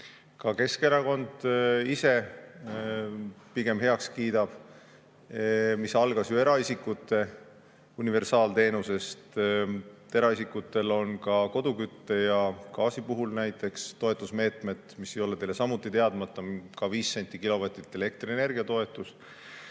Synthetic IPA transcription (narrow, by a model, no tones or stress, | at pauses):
kɑke̞ske̞ɾɑko̞nd̪̥ise̞ | piɡ̥emɦe̞ɑkskiːd̪ɑb̥ | misɑlɡ̥ɑsjye̞ɾɑisikːˑut̪ːˑe̞ | unive̞rsɑːlt̪e̞ːnuse̞st̪ | e̞ɾɑisʲikːˑut̪ːˑe̞lo̞nkɑko̞d̪̥ukyt̪ːe̞jɑkɑːsipuɦulnæjt̪ːˑe̞kst̪o̞e̞t̪ːˑusme̞ːt̪ˑme̞d̪̥misːe̞jo̞lee̞jle̞sɑmut̪ːˑit̪e̞ɑd̪mɑt̪ːˑɑkɑviːsːe̞nʲt̪ːˑikilo̞vɑt̪ɾit̪ːˑe̞le̞k̚t̪riene̞rɡiɑt̪o̞e̞t̪ːˑus